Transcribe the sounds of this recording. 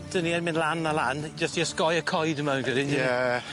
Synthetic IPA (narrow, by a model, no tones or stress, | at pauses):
d̥əniɛnmɪ̃nlˠanaland͡ʒəstiəskɔjəkʰɔjdəmanɡɪdijɛ